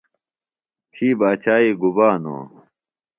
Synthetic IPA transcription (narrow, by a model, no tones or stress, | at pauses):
t͡ɕʰiːbaːt͡ɕʰaːiɡubaːno̰ː